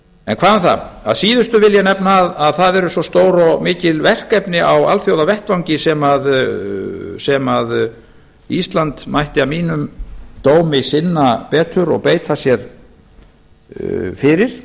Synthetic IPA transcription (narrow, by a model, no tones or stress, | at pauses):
ɛ̰nkʰvaːðɛnθa̰a̰ðsiːðʏst̪ʏvɪljanɛpnaːðaðθaðɛɾʏsɔst̪oːwɾɔmɪːcɪlvɛr̥kɛpnɪʔawa̰lfjowðavɛht̪vawɲcɪsɛmað | sɛmað | ist̪lant̪majht̪ɪamiːnʏmt̪oːwmɪsɪnːapɛːt̪ʰʏɾɔ̰ɣpeːjt̪ʰasjɛɾ | fɪɾɪɾ̥